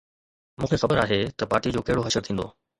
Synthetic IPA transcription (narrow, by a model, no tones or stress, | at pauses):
mũːkʰexɐbəɾaːɦet̪ɐpaːɾʈid͡ʑoːkɐɦɪɽoɦɐʃəɾt̪ʰĩːnd̪o̰ː